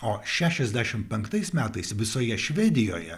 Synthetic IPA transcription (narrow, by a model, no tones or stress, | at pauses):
oːʃʲæːʃʲɛzʲd̪ʲæʃʲɪmpʲɛŋkt̪ɐɪsmʲæːt̪ɐɪsʋʲɪsoːjɛʃʲʋʲɛd̪ʲɪjoːjɛ